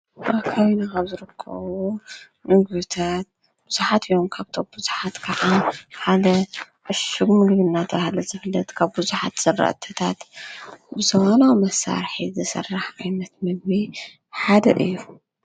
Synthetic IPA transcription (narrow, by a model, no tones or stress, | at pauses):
akʰaβinakʰaβzɨɾɨkʰːɐ̰βu | mɨɡβit̪ʰat̪̚ | b̥uz̥uħat̪ɨjomkʰaβt̪ʰombuzuħat̪kʰaʕaħad̪ɐ | ʔɨʃuɡmɨɡβɨnːat̪ʰɐβhalɐzɨflːɐt̪kʰaβbuzuħa̰t̪z̥ɐrːa̰ʔt̪ʰɐt̪ʰat̪ | bɨzɐwanawmɐsa̰ɾħizɨsɐ̰rːaħʔajnɐt̪mɨɡbi | ħad̪ɐʔɨ̰jːu